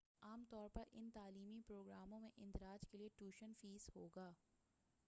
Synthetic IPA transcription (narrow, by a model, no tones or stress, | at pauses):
aːmt̪ɔːɾpɐɾʔɪ̰nt̪aːliːmipɾoːɡɾaːmõmẽʔɪ̃nd̪ɪɾaːd͡ʒkelieʈuːʃənfiːzhoːɡaː